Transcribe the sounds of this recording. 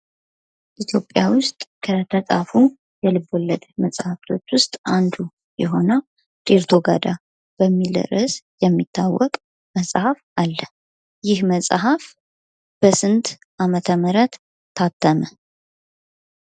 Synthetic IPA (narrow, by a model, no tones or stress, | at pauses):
ʔit̪ʰjo̞pʼːjawʊst̪ʼkʰət̪ʰət̪ʼafu | jɛlɨbolːəd̪məsʼhaft̪ʰo̞t͡ʃːwʊst̪ʼand̪u | jɛɦo̞nə | t̪ʼeɾt̪ʰoɡa̰d̪a | b̥əmːilə̰ɾəsjɛmːit̪ʰːawːɔkʼ | məsʼhafalːə | jɪhməsʼɦaf | b̥əsɨnt̪ | ʔamət̪ʰəməɾət̪ʰː | at̪ʰːəmə